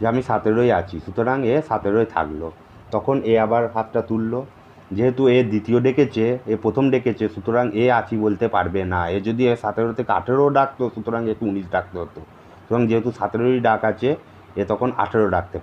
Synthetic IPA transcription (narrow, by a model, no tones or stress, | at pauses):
d͡ʑeamiʃat̪eɾojat͡ɕʰiʃut̪oɾaŋeʃat̪eɾoet̪ʰa̰klo̰ | t̪ɔkʰoneabaɾɦat̪ʈat̪ulːo | d͡ʑeɦet̪ued̪it̪ioɖeket͡ɕeepɾot̪ʰomɖeket͡ɕʰeʃut̪oɾaŋeat͡ɕʰibolt̪epaɾbenaed͡ʑod̪ieʃat̪eɾot̪ʰekea̰ʈʰeɾoɖak̚t̪oʃut̪oɾaŋek̚ʈuuniʃɖak̚t̪eɦot̪o | ʃut̪oɾaŋd͡ʑeɦet̪uʃat̪eɾojɖakat͡ɕʰe | et̪ɔkʰona̰ʈʰeɾoɖak̚t̪ep